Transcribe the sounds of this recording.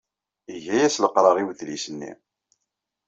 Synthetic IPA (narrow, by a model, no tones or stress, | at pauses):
iʝæjæsləqɾˤɑʁiwθlisənːḭ